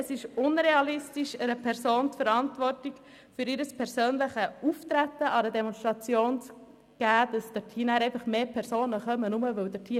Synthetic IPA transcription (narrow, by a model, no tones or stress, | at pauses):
əsɪʃʊnɾeɑlɪstiʃəɾəpʰɛɾsoːntfəɾɑntvʋɔɾtiɡ | fʏɾɪɾəspʰɛɾsøːnlɪχəuft̪ɾætːəʔɑɾədɛmɔnstɾɑt͡sjoːns | ɡ̥æːd̥ɑsd̥ətʰiːnæːɾɛɪfɑχmeːpʰɛɾsoːnəχœmənʊməʋɵwd̥ətʰiː